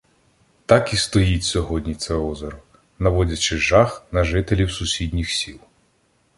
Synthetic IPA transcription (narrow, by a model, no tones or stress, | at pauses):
t̪ɑkist̪ɔjitʲsʲɔɦɔdʲnʲit̪sɛɔzɔɾʊ | nɐʋɔdʲɐt͡ʃɪʒɑxnɐʒɪt̪elʲiwsʊsʲidʲnʲixsʲilˠ